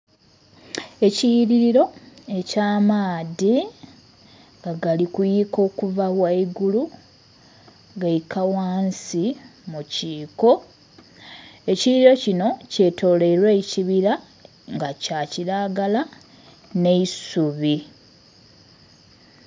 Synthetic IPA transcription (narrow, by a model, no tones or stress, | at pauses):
e̞cijiɾiɾiɾo̞e̞caːmaːði | ŋɡaɡalikujiko̞ːkuvawaiɡulu | ɡaikawaːnsimuciːko̞ | e̞ciiɾiɾo̞cino̞ce̞tʰo̞ːle̞ɾweiciβiɾa | ŋɡacaciɾaɡala | ne̞isuβi